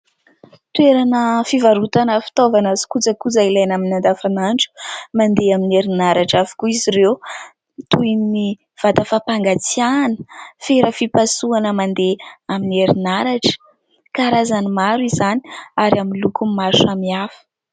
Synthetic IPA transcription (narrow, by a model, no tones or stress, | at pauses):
t̪weɾanəfivaɾut̪anəfi̥t̪ovanazi̥kut͡səkud͡zailajnaminand̪afanaɳʈ͡ʂu̥mand̪eamineɾinaɾaʈ͡ʂafi̥kuiziɾew | t̪uini | v̥at̪afapaŋɡat͡sianə̥feɾəfipasuanəmand̪eamineɾinaɾaʈ͡ʂə̥ | kaɾazanimaɾuizani̥aɾaminlukumaʃamiafə̥